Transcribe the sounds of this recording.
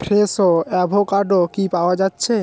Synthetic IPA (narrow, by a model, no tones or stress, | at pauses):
pʰɾesoɛbʱokaɖokipaoad͡ʑatːɕʰe